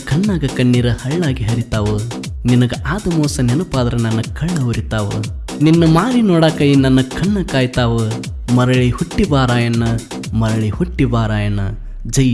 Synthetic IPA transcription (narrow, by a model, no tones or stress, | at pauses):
kʰɐɳːaːɡɐkɐɳːiːɾɐhɐɭːaːɡiɦɐɾit̪aːʋu | ninɐɡɐʔaːd̪ɐmɔːsɐnenupaːd̪ɐɾɐnɐnːɐkʰɐɭːɐʋuɾit̪aːʋṵ | ninːɐmaːɾinɔːɽaːkɐjinɐnːɐkʰɐɳːɐkaːjt̪aːʋɐ | mɐɾɐɭihuʈːibaːɾaːjɐnːɐ | mɐɾɐɭihuʈːibaːɾaːjɐnɐ | d͡ʒɐj